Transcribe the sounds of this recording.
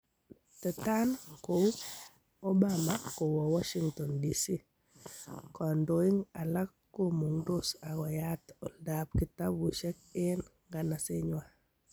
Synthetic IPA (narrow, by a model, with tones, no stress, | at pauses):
tɛ˨ta˦nkou˦ | o˦ba˦ma˦ko˨wɔ˨wa˦ʃi˦ŋtɔ˨ndisi˦ | kɔ˨ndo˨ɪ˦ŋa˨la˦kːo˦mu˨ŋdo˦sa˨ɡɔ˨ja˦tɔ˨lda˨b̚kɪ˨ta˦bwu˨ʃɛ˦k̚ɪ˦nŋɡa˨na˨sɪ˦ɲwa˦